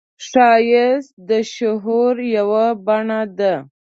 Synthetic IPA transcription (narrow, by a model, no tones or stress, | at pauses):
ʂɑjɪsd̪əʃʊɦuɾjawabaɳad̪a